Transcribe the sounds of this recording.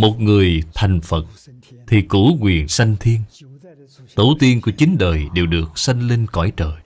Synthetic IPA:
mo˨˩t̚ŋɨ˨˩əjt̪ʰa˨˩jŋ̟fə˨˩t̚ | t̪ʰi˨˩ku˧˥kwi˨˩ənsa˧jŋ̟t̪ʰi˧ən | t̪ə˨˦wt̪i˧ənku˧˩ət͡ɕï˨˦ŋ̟ɗəː˨˩jɗe˨˩wɗɨ˨˩ək̚sa˧jŋle˧nkɔ̰˧˩jt͡ɕəː˨˩j

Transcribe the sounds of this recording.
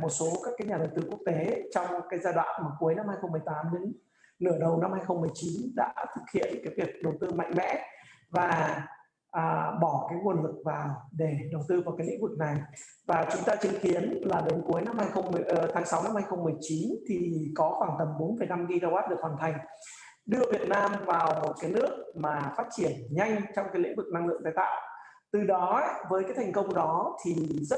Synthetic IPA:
mo˨˩t̚so˨˦kaː˦˥kaː˨˦jɲaː˨˩ɗə˨˩wt̪ɨ˧ku˦˥k̚t̪e˨˦t͡ɕɔ˧wŋ͡mkaː˨˦jzaː˧jɗwa̰ː˧˨nma˨˩ku˨˦əjna˧mhaː˧jxə˧wŋ͡mmɨ˨˩əjt̪aː˨˦mnɨ̰˧˥ŋ | nɨ˧˩əɗə˨˩wna˧mhaː˧jxə˧wŋ͡mmɨ˨˩əjt͡ɕi˨˦nɗa̰ː˧˥t̪ʰɨ˨˩k̚hḭ˧˨ənkaː˨˦jvi˨˩ək̚ɗə˨˩wt̪ɨ˧ma̰˧jŋ̟mɛ̰˧˥vaː˨˩ | ʔəː˨˩ɓɔ˧˩kaː˨˦jŋu˧˩ənlɨ˨˩k̚vaː˨˩wɗe˧˩ɗə˨˩wt̪ɨ˧vaː˨˩wkaː˨˦jnlḭ˧˥ŋvu˨˩k̚na˨˩jvaː˨˩t͡ɕʊ˨˦ŋ͡mt̪aː˧t͡ɕɨ˨˦ŋxi˨˦ənlaː˨˩ɗe˨˦nku˨˦əjna˧mhaː˧jxə˧wŋ͡mm˨˩ʔt̪ʰaː˨˦ŋsa˨˦wna˧mha˧jxə˧wŋ͡mmːɨ˨˩əjt͡ɕi˨˦nt̪ʰi˨˩kɔ˨˦xwaː˧˩ŋt̪ə˨˩mɓo˨˦nfə˧˨˩jna˧mɣi˧zaː˧wa˦˥t̚ɗɨ˨˩ək̚waː˨˩nt̪ʰa˨˩jŋ̟ | ɗɨ˧əvi˨˩ət̚naː˧mvaː˨˩wmo˨˩t̚kaː˨˦jnɨ˦˥ək̚maː˨˩faː˦˥t̚t͡ɕi˧˩ənɲa˧jŋ̟t͡ɕɔ˧wŋ͡mkaː˨˦l̰ŋvɨ˨˩k̚na˧ŋlɨ̰˧˨əŋt̪aː˧jt̪a̰ː˧˨w | t̪ɨ˨˩ɗɔ˨˦vəː˨˦jkaː˨˦jt̪ʰa˨˩ŋ̟kə˧wŋ͡mɗɔ˨˦t̪ʰi˨˩zə˦˥

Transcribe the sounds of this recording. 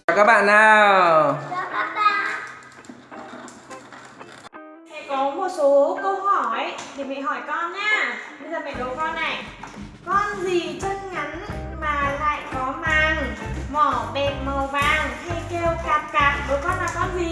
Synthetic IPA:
wkaː˦˥k̚ɓa̰ː˧˨nːaː˨˩˧ | a˨˧˦a˧ | ha̰˧˨jkɔ˨˦mo˨˩t̚so˨˦kə˧whɔ˧˩jt̪ʰi˧˩ma̰˧˨ɦɔ˧˩jkɔ˧nɲaː˧ɓə˧zəː˨˩ma̰˧˨ɗə˨˦wkɔ˧nːa˨˩j | kɔ˧nzi˨˩t͡ɕə˧nŋa˨˦nmaː˨˩la̰ː˧˨jkɔ˨˦maː˨ŋmɔ˧˩ɓɛ˨˩p̚ma˨˩wvaː˨˩ŋha˧jke˧wkaː˨˩p̚kaː˨˩p̚ɗo˨˦jkɔ˧nlaː˨˩kɔ˧nzi˨˩

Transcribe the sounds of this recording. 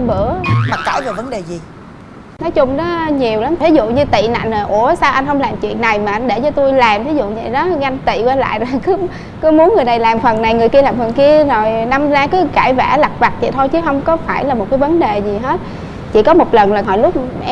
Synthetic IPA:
ɓɨ̰˧˩˨əmaː˨˩kaː˧˩jzɔː˨˩və˨˦nɗe˨˩zi˨˩ | nɔ˨˦jt͡ɕʊ˧ŋ͡mɗɔ˨˦ɲi˨˩əwla˨˦mt̪ʰi˨˦zṵ˧˨ɲɨ˧t̪ḭ˧˨na̰˧˨jŋ̟zəː˨˩ʔu˧˩əsaː˧wʔa˧jn̟ɦə˧wŋ͡mlaː˨˩mt͡ɕwḭ˧˨ənːa˨˩jmaː˨˩ʔa˧jnɗe˧˩t͡ɕɔ˧t̪u˧jlaː˨˩mt̪ʰi˨˦zṵ˧˨ɲɨ˧˨˩ɗɔ˨˦ɣa˧jŋ̟t̪ḭ˧˨kwaː˧la̰ː˧˨jzo˨˩jkɨ˨˦ | kɨ˨˧˦mu˨˦ənŋɨ˨˩əjna˨˩jlaː˨˩mfə˨˩nna˨˩jŋɨ˨˩əjki˧əlaː˨˩mfə˨˩nki˧əzo˨˩jna˧mzaː˧kɨ˨˦kaː˧˩jva̰ː˧˩la˨˩k̚va˨˩k̚t̪ʰḭ˨˩t̪ʰo˧jt͡ɕɨ˨˦ɦə˧wŋ͡mkɔ˨˦faː˧˩jlaː˨˩mo˨˩t̚kaː˨˦jvə˨˦nɗe˨˩zi˨˩ɦe˦˥t̚ | t͡ɕi˧˩kɔ˨˦mo˨˩t̚lə˨˩nlaː˨˩ɦɔ̰˧˨˦lʊ˦˥k͡p̚

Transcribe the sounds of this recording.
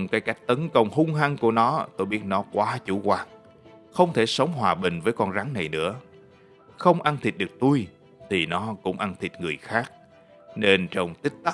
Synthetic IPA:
kaː˨˦jka˦˥jk̚t̪ə˨˦nkə˧wŋ͡mɦʊ˧ŋ͡mɦa˧ŋku˧˩ənɔ˨˦t̪o˧jɓi˦˥ət̚nɔ˨˦kwaː˨˦t͡ɕṵ˧˩kwaː˨˩k̚ | xə˧wŋ͡mt̪ʰe˧˩sə˨˦wŋ͡mhwaː˨˩ɓï˨˩ŋ̟vəː˨˦jkɔ˧nɣa˨˦ŋna˨˩jnɨ̰˧˥ə | xə˧wŋ͡mʔa˧nt̪ʰi˨˩t̚ɗɨ˨˩ək̚t̪u˧j | t̪ʰi˨˩nɔ˨˦kʊ̰˧˥ŋ͡mʔa˧nt̪ʰi˨˩t̚ŋɨ˨˩əjxaː˦˥k̚ | ne˧nt͡ɕə˧wŋ͡mt̪i˦˥k̟̚t̪a˦˥

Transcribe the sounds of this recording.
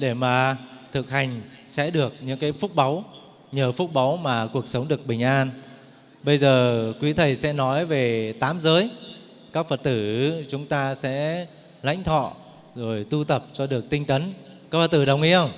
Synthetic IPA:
ɗe˧˩maː˨˩t̪ʰɨ˨˩k̚ha˨˩jŋ̟sɛ̰˧˥ɗɨ˨˩ək̚ɲɨ̰˧˥ŋkaː˨˦jfʊ˦˥t̚ɓa˨˦w | ɲəː˨˩fʊ˦˥k͡p̚ɓa˨˦wmaː˨˩ku˨˩ək̚sə˨˦wŋ͡mɗɨ˨˩ək̚ɓï˨˩ŋ̟ʔaː˧n | ɓə˧jzəː˨˩kwi˨˦t̪ʰə˨˩jsɛ̰˧˥nɔ˨˦jve˨˩t̪aː˨˦mzəː˨˦j | kaː˦˥k̚fə˨˩t̚t̪ɨ˧˩t͡ɕʊ˨˦ŋ͡mt̪aː˧sɛ̰˧˥ | la̰˧˥jŋ̟t̪ʰɔ̰˧˨ | zo˨˩jt̪u˧t̪ə˨˩p̚t͡ɕɔ˧ɗɨ˨˩ək̚t̪ï˧ŋ̟t̪ə˨˦nkaː˦˥fə˨˩t̚t̪ɨː˧˩ɗə˨˩wŋ͡mŋḭ˧˥xə˧wŋ͡m

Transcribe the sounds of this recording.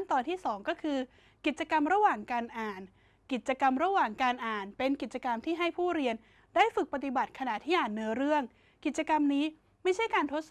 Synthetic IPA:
nt̪ɔː˨˩nt̪ʰiː˥˩sɔː˩˦ŋkɔː˥˩kʰɯː˧ | ki˨˩t̪̚t͡ɕa˧ka˧mɾa˧waː˨˩ŋkaː˧nʔaː˨˩n | ki˨˩t̪̚t͡ɕa˧ka˧mɾa˧waː˨˩ŋkaː˧nʔaː˨˩npe˧nki˨˩t͡ɕa˧ka˧mt̪ʰiː˥˩ɦa˥˩jpʰuː˥˩ɾi˧ən | daː˥˩jfɯ˨˩k̚pa˧t̪i˨˩ba˨˩t̪̚kʰa˧na˨˩t̪ʰiː˥˩ʔaː˨˩nːɯ˦˥ɐɾɯ˥˩əŋ | ki˨˩t̪̚t͡ɕa˧ka˧mniː˦˥ | ma˥˩jt͡ɕʰa˥˩jkaː˧nt̪ʰo˦˥t̪̚s

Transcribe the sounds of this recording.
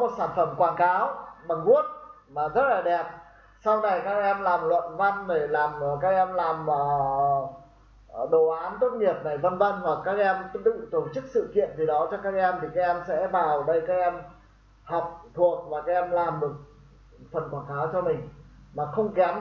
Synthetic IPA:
mo˨˩t̚saː˧˩nfə˧˩mkwaː˧˩nkaː˨˦wɓa˨˩ŋŋu˦˥ət̚ | maː˨˩zə˦˥t̚laː˨˩ɗɛ˨˩p̚ | sa˧wna˨˩jkaː˦˥k̚ʔɛ˧mlaː˨˩mlwə̰˧˨nva˧nɗe˧˩laː˨˩m˨˩kaː˦˥k̚ʔɛ˧mlaː˨˩məː˨˩ | ɗo˨˩ʔaː˨˦nt̪o˦˥t̚ɲi˨˩əp̚ɗa˧˩jvə˧nvə˧nhwa˨˩kːaː˦˥k̚ʔɛ˧mt̪ɨ̰˧˨t̪o˧˩t͡ɕɨ˦˥k̚sɨ̰˧˨kḭ˧˨ənvi˨˩ɗɔ˨˦t͡ɕɔ˧kaː˦˥k̚ʔɛ˧mt̪ʰi˨˩kaː˦˥k̚ʔɛ˧msɛ̰˧˥vaː˨˩wɗə˧jkaː˦˥k̚ʔɛ˧m | hɔ˨˩wk͡p̚t̪ʰu˨˩ək̚vaː˨˩kaː˦˥k̚ʔɛ˧mlaː˨˩mɗɨ˨˩t̚ | fə˨˩nkwaː˧˩ŋkaː˨˦wt͡ɕɔ˧mï˨˩ŋ̟maː˨˩xə˧wŋ͡mkɛ˨˦m

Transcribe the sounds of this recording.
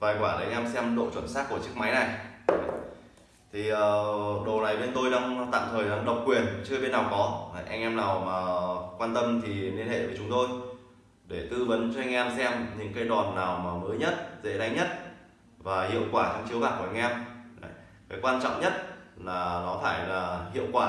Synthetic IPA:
vaː˨˩jkwaː˧˩ɗə˨˦jʔɛ˧msɛ˧mɗo̰˧˨t͡ɕwə˧˩nsaː˦˥k̚ːu˧˩ət͡ɕɨ˦˥k̚ma˨˦jna˨˩ja̰˨ | t̪ʰi˨˩ʔəː˨˩ɗo˨˩na˨˩jɓe˧nt̪o˧jɗaː˧ŋt̪a̰ː˧˨mt̪ʰəː˨˩jɗaː˨˧˦ŋɗə˨˩wk͡p̚kwi˨˩ənt͡ɕɨ˦˧ɓe˧nːa˨˩wkɔ˨˦a̰˨˦jʔa̰˧ŋʔɛ˧mnaː˨˩wmaː˨˩kwaː˧nt̪ə˧mt̪ʰi˨˩li˧nhḛ˧˨vəː˨˦jt͡ɕʊ˨˦ŋ͡mt̪o˧j | ɗe˧˩t̪ɨ˧və˨˦nt͡ɕɔ˧ʔa˧jŋ̟ʔɛ˧msɛ˧mɲɨ̰˧˥ŋkaː˨˦jɗwa˨˩nːaː˨˩wmaː˨˩məː˨˦jɲə˦˥t̚zḛ˧˥ɗa˧jŋɲə˦˥t̚ | vaː˨˩hḭ˧˨əwkwaː˧˩t͡ɕa˧ŋt͡ɕi˨˦əwɓaː˨˩ku˧˩˨a˧ŋʔɛ˧mʔa̰˧˨j | kaː˨˦jkwaː˧nt͡ɕɔ̰˧˨ŋ͡mɲə˦˥t̚laː˨˩nɔ˨˦faː˧˩jlaː˨˩hḭ˧˨əwkwaː˧˩

